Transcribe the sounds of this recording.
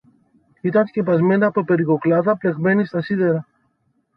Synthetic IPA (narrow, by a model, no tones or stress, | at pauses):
it̪ɐnsce̞pɐzme̞nd̪ɐpope̞ɾiko̞klɐðɐple̞ɣme̞nist̪ɐsiðe̞ɾɐ